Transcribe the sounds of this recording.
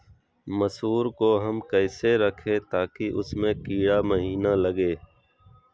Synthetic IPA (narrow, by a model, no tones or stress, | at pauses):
məsuːɾkoɦəmkəːseɾəkʰet̪aːkiʔʊsmẽkiːɽaməɦiːnaləɡeː